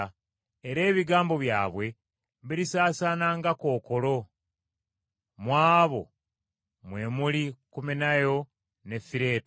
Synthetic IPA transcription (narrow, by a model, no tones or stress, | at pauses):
eɾe̞ːβiɡaːmbo̞βjaːβwe̞ | βiɾisaːsaːnaːŋɡako̞ːko̞lo̞ | mwaːβo̞̰ | mwe̞ːmulikuminajo̞ | ne̞fiɾe̞ːt